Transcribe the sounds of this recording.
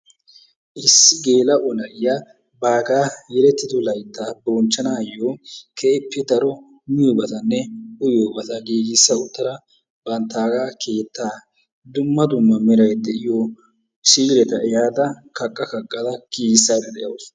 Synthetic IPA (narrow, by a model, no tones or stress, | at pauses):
ʔɪsːɪɡeːlɐʔɔnɐʔɪja | baːɡaːjɛɾɛt̪ːɪd̪ɔlɐjt̪ːaːboːnt͡ʃːɐnaːjːoːkʰepːɪd̪ɐɾɔ | mɪjoːbɐt̪ɐnːɛʊjoːbɐt̪ɐɡiːɡɪsːɐʊt̪ːɐɾɐ | bɐnt̪ːaːɡaːkʰe̞ːt̪ːaː | d̪ʊmːɐd̪ʊmːɐmɪɾɐjd̪ɛʔɪjo | ʃiːɾɛkɐɪjaːd̪ɐkɐkʼːɐkɐkʼːɐd̪ɐkiːsːad̪ɛd̪ɛjɐws